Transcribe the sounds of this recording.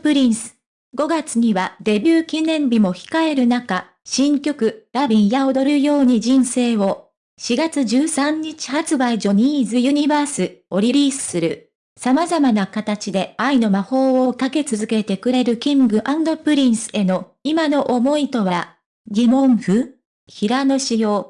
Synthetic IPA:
pɯ̟ɾʲĩɰ̃sɨ̥ | ɡo̞ɡat͡sɨɲ̟iβad̪e̞bʲɨːkʲinẽ̞mbʲimo̞çi̥kae̞ɾɯ̟naka | ɕĩŋkʲo̞kɯ̟ɾabʲĩɰ̃jaod̪oɾɯɾɯ̟jo̞ːɲ̟id͡ʑĩɰ̃se̞ːβo̞ | ɕiɡat͡sɨʑɨːsãɲ̟ːit͡ɕi̥hat͡sɨbaiʑo̞ɲ̟iːzɨjɯ̟ɲ̟ibaːsɨo̞ɾʲiɾʲiːsɨ̥sɨɾɯ̟ | samazamanakat̪at͡ɕid̪e̞aino̞maho̞ːokake̞t͡sɨzɨke̞t̪e̞kɯ̟ɾe̞ɾɯ̟kʲĩŋɡɯ̟ʔãnd̪o̞pɯ̟ɾʲĩɰ̃sɨ̥e̞no̞imano̞ʔomo̞it̪o̞βaɾa | ɡʲimõ̞ɰ̃ɸɯ̟ | çiɾano̞ɕijo̞ː

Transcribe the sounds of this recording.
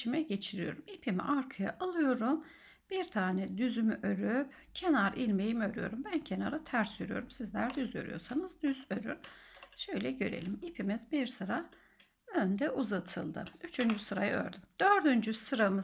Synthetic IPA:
imɛɟe̞t͡ʃʰiɾijo̞̰ɾumipʰimḭʔaɾkʰaja̰ʔalˠɯjo̞ɾum | b̥iɾt̪ʰaːnɛd̪yzymyʔøɾyp | cʰenaɾʔilʲmejimø̞ɾyjo̞ɾumbæncʰe̞naɾɯt̪ʰæɾsyɾyjo̞̰ɾumsizlʲæɾd̪yzø̰ɾy̰joɾsanɯzd̪yz̥øɾy̰ɾ̥ʃø̞jlʲɛɟø̞̰ɾe̞̰lʲimipʰimizbiɾsɯɾa | ønd̪ɛʔuzat̪ʰɯ̰lˠd̪ɯ̰yt͡ʃʰynd͡ʒysɯɾa̰jɯ̰ø̰ɾd̪ymd̪̥øɾd̪ynd͡ʒysɯɾamɯ

